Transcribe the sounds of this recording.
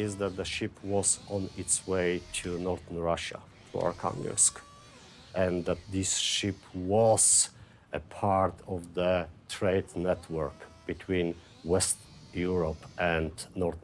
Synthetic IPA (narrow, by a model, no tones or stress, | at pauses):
ɪzðæt̪̚dəʃɪpʰwɔzɔ̃nɪtsweɪtʰunɔɹθənɹaʃa̰ | fɔ̰ɹkʰã̰ŋə̰sk | ʔɛ̃nðæt̪̚ðɪsʃɪpʰwɔz̥ | ʔəpʰɑɹtʰɔvðətʰɹeɪdnɛtʰwə˞kb̥ɨtʰwĩn | wɛst | juɹɔpʔɛ̃ndnɔɹθ